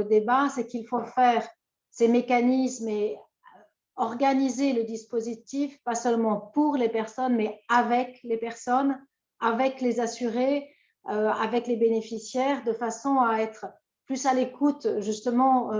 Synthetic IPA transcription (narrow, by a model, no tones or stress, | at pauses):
əd̪ebasɛkilfofɛʁ | semekanisme | ø | ɔʁɡanizeləd̪ispozit̪ifpasœlmɑ̃puʁlepɛʁsɔnmɛavɛklepɛʁsɔn | avɛklezasyʁe | øa̰vɛklebenefisjɛːʁd̪əfasɔ̃aɛt̪χ | plysalekut̪ʒyst̪əmɑ̃